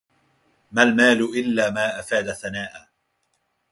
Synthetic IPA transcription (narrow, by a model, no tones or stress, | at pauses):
malmaːlʊʔɪlːaːmaːʔafaːd̪aθanaːʔaː